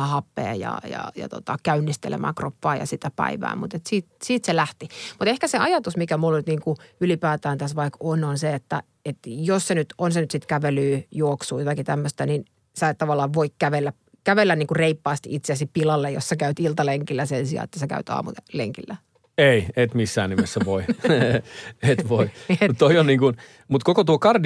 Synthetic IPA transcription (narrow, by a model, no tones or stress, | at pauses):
hɑpːḛːjɑ̰jɑ̰jɑ̰t̪ot̪ɑ̰kæynːist̪ḛlḛmʔæ̰ːkropːɑːjɑ̰sit̪æpæ̰iʋæ̰ːmut̪et̪siːt̪̚siːt̪selæht̪imut̪ehkæseɑjɑt̪usmikæmulːonyt̪niːŋkuylipæːt̪æːnt̪æsʋɑikononseet̪ːæ | et̪jossenyt̪onsenyt̪sit̪kæʋelyːjuoksuːjot̪ɑkit̪æmːøst̪ænin | sɑet̪t̪ɑʋɑlːˑɑːʋʋoikkæʋelːæ | kæʋelːænniːŋkureipːɑːst̪ḭʔit̪seæsipilɑlːejo̰ssekæyt̪ilt̪ɑleŋkilːæsensiɑ̰ːḛt̪ːæsekæ̰yt̪ɑ̰ːmṵt̪elḛŋkilːæ | eiet̪misːæ̰ːnnimesːæʋoi | et̪ʋoiut̪t̪oionniːŋkun | mut̪kokot̪uokɑrd